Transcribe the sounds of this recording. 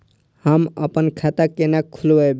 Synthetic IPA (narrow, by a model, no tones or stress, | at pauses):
həmə̰pənkʰat̪akenakʰːulbəb